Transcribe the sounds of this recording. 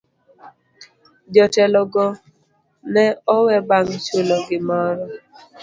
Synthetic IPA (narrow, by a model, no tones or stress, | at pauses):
d͡ʒɔtɛlɔɡɔ | nɛɔwɛbaŋt͡ʃolɔɡɪmɔɾɔ